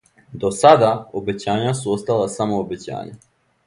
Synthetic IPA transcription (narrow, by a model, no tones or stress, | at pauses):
d̪o̞sad̪aobe̞t͡ɕaːɲasuo̞st̪alˠasamo̞obe̞t͡ɕa̰ːɲa̰